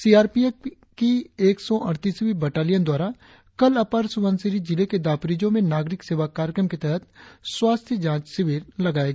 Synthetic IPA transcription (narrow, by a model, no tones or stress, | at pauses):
siːaːɾpie | kieːksɔʔɐɽt̪iːsʋibəʈaːlijənd̪waːɾa | kɐlɐpəɾsʊʋə̃nsɪɾid͡ʒɪleked̪aːpɾiːd͡ʒõmẽnaːɡɾɪkseːʋakaːɾjəkɾəmket̪ɛɦət̪swaːst̪ʰjəd͡ʒãːt͡ʃsɪʋiːɾlɐɡaːeɡa